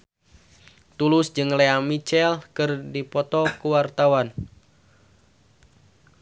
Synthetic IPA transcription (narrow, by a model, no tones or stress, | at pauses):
t̪ulʊsd͡ʒɨŋleamit͡ʃɛlkɨrdipɔt̪ɔkuwart̪awan